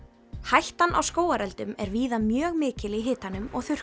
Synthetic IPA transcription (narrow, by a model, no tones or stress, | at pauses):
hajht̪anʔa̰wskoːwaɾɛlt̪ʏmɛ̰ɾviːðamjœːɣmɪːcɪlɪɦɪːt̪anːʏmɔ̰ɣθʏr̥